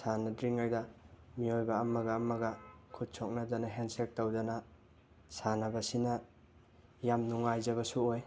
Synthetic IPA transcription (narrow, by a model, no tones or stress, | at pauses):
sanɐdɾiŋajdɐmiojbɐːmɐɡɐːmɐɡɐkʰut̚sʰok̚nɐd͡ʒɐnɐɦensek̚tawdɐnɐ | sanɐbɐsinɐ | jamnuŋajzɐβɐsuoj